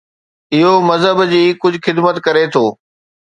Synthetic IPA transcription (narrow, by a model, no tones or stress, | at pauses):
ɪɦomɐzɦəbd͡ʑiːkʊd͡ʑʱʊxɪd̪mət̪kɐɾet̪ʰoː